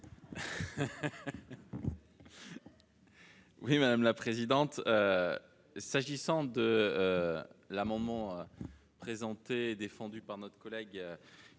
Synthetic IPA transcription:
wimad̪amlapχezid̪ɑ̃t̪ø | saʒisɑ̃d̪ə | lamɑ̃d̪mɑ̃ø | pχezɑ̃t̪eːd̪efɑ̃d̪ypaʁnɔt̪χkɔlɛɡø

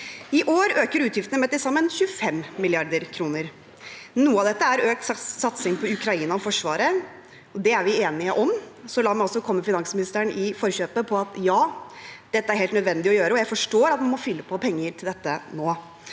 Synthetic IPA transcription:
ɪʔoːɾøːkəɾʉːt̪jɪft̪ənəmɛt̪ːɪsɑmːənçʉəfɛmːɪlɪɑɾd̪əɾkʰɾuːnəɾ | nuːəɑʋd̪ɛt̪ːəæɾøːk̚t̪sɑt̪sɪŋpʰɔʉkɾɑiːnɑɔfɔʂʋɑ̰ːɾə | ɔd̪ɛæɾʋɪeːnɪəʔɔmsɔlɑːɾmæɪɔsːɔkʰɔmːəfɪnɑŋsmɪnɪst̪əɳʔɪfɔɾɕøːpəpʰɔɑt̪jɑːd̪̥ɛt̪ːəæɾheːlnœd̪ʋɛnd̪ɪɔjøːɾəɔjæɪfɔʂʈoːɾɑt̪mɑnmɔfʏlːəpʰɔpʰɛŋːəɾt̪ʰɪld̪ɛt̪ːənoː

